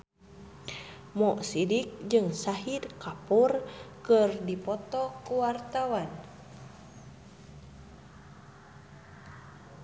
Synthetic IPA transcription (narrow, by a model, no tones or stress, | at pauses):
mɔʔsidik̚d͡ʒɨŋsaɦidkapurkɨrdipɔt̪ɔkuwart̪awan